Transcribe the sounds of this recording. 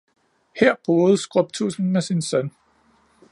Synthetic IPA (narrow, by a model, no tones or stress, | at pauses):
heɐ̰b̥oːð̞̩ˠsɡ̥ʁɔb̥̚t͡sʰusn̩mesinsœn